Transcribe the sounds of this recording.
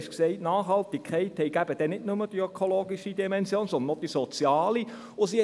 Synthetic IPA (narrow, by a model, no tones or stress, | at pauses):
ʃksɛɪtnɑːχhɑlt̪ikʰːɛɪthɛɪɡæbəd̥ɛnɪdnʊməd̥iøkʰoloːɡiʃid̪imɛnsjoːnsɔnd̪ənod̥isot͡sjɑːli | ʊsi